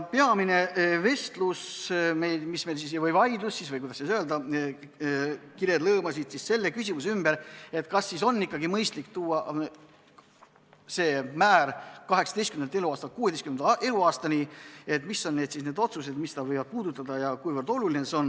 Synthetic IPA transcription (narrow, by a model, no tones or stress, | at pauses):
peɑmine̞ve̞st̪lusmejlmismejls̬is̬ejvɤjvɑjd̪lusːisvɤjkujd̪ɑsisøeld̪ɑ | kiɾed̪lɤːmɑsidt̪sisse̞lːe̞kysʲimus̬eymb̥eɾe̞t̪kɑsːiso̞nːikːˑɑɡimɤjst̪likt̪uːɑ | se̞ːmæːɾkɑɦe̞ksɑd̪e̞jst̪kymnee̞luɑːst̪ɑt̪̚kuːd̪eskymnend̪ʔeluɑːst̪ɑnie̞t̪misːo̞nːe̞ːd̪̥sisne̞ːd̪o̞t̪suse̞d̪mist̪ɑvɤjvɑd̪̚puːd̪̥ut̪ːˑɑd̪̥ɑjɑkujvərd̪̥o̞lulineso̞n